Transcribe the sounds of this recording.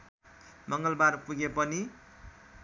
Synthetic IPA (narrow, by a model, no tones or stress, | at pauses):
mʌŋɡʌlbarpuɡepʌni